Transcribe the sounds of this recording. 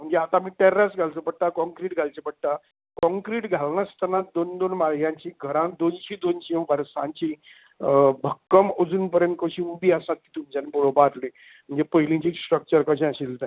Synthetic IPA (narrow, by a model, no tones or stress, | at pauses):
m̤əɳd͡zeat̪amiːʈɛɾɾasɡʱalt͡səbəɽʈ̪akɔ̃ŋkɾiʈɡʱalt͡sebəɽ̚ʈ̪a | kɔ̃ŋkɾiːʈɡʱalnast̪ʰanat̪̚d̪ond̪onmaljãɲt͡ɕiːɡʱəɾãnd̪ont͡ɕĩːd̪ont͡ɕiə̃baɾsãɲt͡ɕĩ | bʱəkːəməd͡zuːnpəɾjənt̪̚kəɕĩumbiːasat̪̚kiːt̪um̤t͡ɕanebuɾobaɾli | m̤əɳd͡zepəɦilĩɲt͡ɕiːsʈɾək̚t͡ɕəɾkəɕẽəɕilt̪aĩ